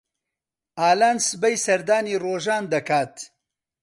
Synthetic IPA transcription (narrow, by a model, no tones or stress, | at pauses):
ʔaːlaːnsɨbɐjsɐɾd̪aːniːroːʒaːnd̪ɐkʰaːt̪